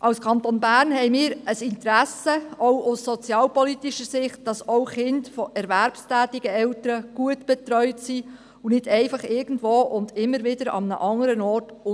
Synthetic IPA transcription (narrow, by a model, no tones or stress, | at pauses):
ʔɑwskʰɑntonbæːɾnɦɛjmɪːɾəsɪntəɾæsəoʊʊsːɔt͡sjɑːlpɔlitiʃəsɪχt̚d̥ɑsoʊχɪndfɔʔɛɾvæɾpstæːtɪɡ̥əɛwtəɾəɡ̥uətb̥ɛt̪ɾœʏtsi | unɪd̥ɛɪfɑχɪɾɡ̥ən̩dvoːʔʊndɪmːəɾvɪdəɾɑ̰mənə̰ʔɑŋːəɾənɔːɾt